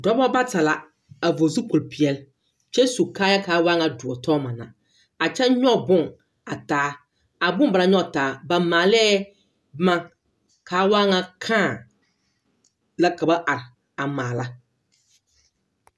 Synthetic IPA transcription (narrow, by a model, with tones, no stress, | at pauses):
dɔ˦bɔ˦ba˦ta˨la˨ | a˨vo˨zu˦po˨lpi˨ɛ˦l | t͡ʃɛ˦su˨kaː˦ja˦kaː˨˦waː˦ŋa˨dʊ˨ɔ˨tʰɔː˦ma˨na̰˨ | a˨t͡ʃɛ˦ɲɔ˦˨bʊ˦ŋ | a˨taː˨˦ | a˨bʊ˦ŋba˨ɾa˨ɲɔ˦˨taː˨˦ba˨maː˨lɛː˦ | ma˦ŋ | kʰaː˨˦waː˦ŋa˨kʰaː˦˨ | la˦ka˨ba˦ʔa˨ɾɪ˨ | a˨maː˨la˦